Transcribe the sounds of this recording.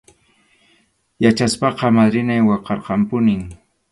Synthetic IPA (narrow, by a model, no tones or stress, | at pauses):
jat͡ʃaspɑqɑmad̪ɾɪnajwɑqɑɾqɑmpʊnɪŋ